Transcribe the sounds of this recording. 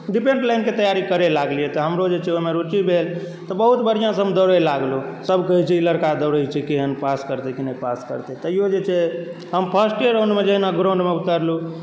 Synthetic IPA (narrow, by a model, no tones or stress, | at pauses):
ɖipẽɳɖlajnket̪əjaɾikəɾelaɡlijɛt̪ɔɦəmɾod͡ʒet͡ʃʰɛomeɾut͡ʃibʱel | t̪ɔbəɦut̪bəɾ̤ijãsɦəmd̪əɾəjlaɡlusəbʱkəɦit͡ʃʰɛiləɾkad̪əɾəjt͡ʃʰɛkiɦənpaskəɾt̪ɛkinəjpaskə̰ɾt̪ɛt̪əjod͡ʒet͡ʃʰɛ | ɦəmpʰəsʈeɾõnɖmed͡ʒeɦinaɡɾõɳɖmeut̪əɾlu